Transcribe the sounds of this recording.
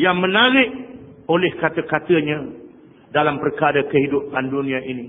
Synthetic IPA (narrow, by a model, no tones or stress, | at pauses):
jaŋmə̃naɾɪʔolɛhkat̪əkat̪əɲã | dalampərkaɾəkəɦidupandunĩaʔini